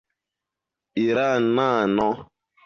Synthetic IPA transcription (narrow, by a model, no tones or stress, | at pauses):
iɾan̩naːnɔ